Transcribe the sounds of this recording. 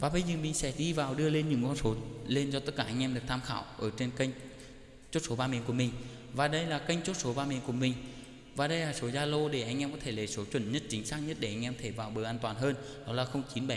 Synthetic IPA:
vaː˨˩ɓə˧jzəː˨˩mï˨˩ŋ̟sɛ̰˧˥˩ɗi˧vaː˨˩wɗɨ˧əle˧nɲɨ̰˧˥ŋkɔ˧nso˨˦le˧nt͡ɕɔ˧t̪ə˦˥t̚kaː˧˩ʔa˧jŋ̟ʔɛ˧mɗɨ˨˩ək̚t̪ʰaː˧mxaː˧˩˨wʔəː˧˩t͡ɕe˧nka˧jŋ̟ | t͡ɕo˦˥t̚so˨˦ɓaː˧mi˨˦nku˧˩əmï˨˩ŋ̟ | vaː˨˩ɗə˧jlaː˨˩ka˧jŋ̟t͡ɕo˦˥t̚so˨˦ɓaː˧mi˨˦ənku˧˩əmï˨˩ŋ̟ | vaː˨˩ɗə˧jlaː˨˩so˨˦zaː˧lo˧ɗe˧˩ʔa˧jŋʔɛ˧mkɔ˨˦t̪ʰe˧˩le˨˦so˨˦t͡ɕwə̰˧˩nɲə˦˥t̚t͡ɕï˨˦ŋ̟saː˦˥k̚ɲə˦˥t̚ɗe˧˩ʔa˧ŋ̟ʔɛ˧mt̪ʰe˧˩vaː˨˩wɓəː˨˩ʔaː˧nt̪waː˨˩nɦəː˧n | nɔ˨˦laː˨˩xə˧wŋ͡mt͡ɕi˨˦nɓa˧˩

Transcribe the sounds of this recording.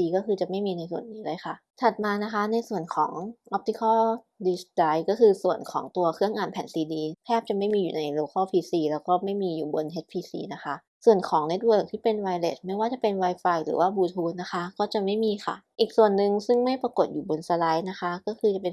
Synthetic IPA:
iː˧kɔː˥˩kʰɯː˧t͡ɕa˨˩ma˥˩jmiː˧na˧jsu˨˩ənːiː˦˥lɤː˧˥˩jkʰa˥˩t̪ʰa˨˩t̪̚maː˧na˦˥kʰa˦˥na˧jsu˨˩ənkʰɔː˩˦ŋʔɔ˦˥p̚t̪i˧˥kʰɔː˥˩ | diː˧sdaː˦˥jkɔː˥˩kɯː˧su˨˩ənkʰɔ̰ː˩˦ŋt̪u˧ɐkʰɯ˥˩əŋʔaː˨˩npʰɛː˨˩˦nsiː˧diː˧p̪ʰɛː˥˩p̚t͡ɕa˨˩ma˥˩jmiː˧juː˨˩na˧jloː˧kʰɔː˥˩pʰiː˧siː˧lɛː˦˥wkɔː˥˩ma˥˩jmiː˧juː˨˩bo˧nɦe˦˥t̪̚pʰiː˧sḭː˧na˦˥kʰa˦˥ʔ | su˨˩ənkʰɔː˩˦ŋne˦˥t̪̚wɤː˧˩k̚t̪ʰiː˥˩pe˧nwa˧jlḛ˦˥˩t̪̚ma˥˩jwaː˥˩t͡ɕa˨˩pe˧nwa˧jfaː˧jɾɯ̰ː˩˦waː˥˩buː˧t̪ʰuː˧nːa˦˥xʰa˦˥kɔː˥˩t͡ɕa˨˩ma˥˩jmiː˧xʰa̰˥˩ʔiː˨˩k̚su˨˩ənːɯ˨˧ŋsɯ˥˩ŋma˥˩jpa˧ko˨˩t̪̚juː˨˩bo˧nsa˧la˦˥jna˦˥kʰa˦˥kɔː˥˩kʰɯː˧t͡ɕa˨˩pe˧n

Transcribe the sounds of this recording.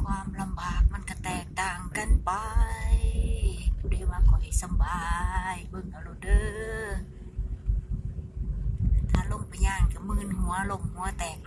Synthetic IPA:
kʰwaː˧mla˧mbaː˨˩k̚ma˧˥nka˧˩t̪ɛː˨˩k̚t̪aː˨˩ŋka˧˩npa˧j | kʰu˧˩di˧˦waː˧kʰɔ˨˩ha˨˩jsa˧˦mbaː˧˩jbɤ˧˨ŋʔa˧˩lo˧˩dɤː˧ | t̪ʰaː˧˩lo˧˨ŋpʰa˧jɲaː˧˩nka˧˩mɯː˧˩˨nhu˨˦ɐlo˧˨mhu˨˦ɐ˧t̪ɛː˨˩k̚

